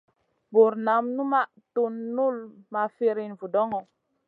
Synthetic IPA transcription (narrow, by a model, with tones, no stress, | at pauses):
bo˨ɾna˨˦mnu˦ma˦ʔ | tu˦nːu˦lma˨fe˦ɾi˦˨nvu˨dɔ˦ŋɔ˨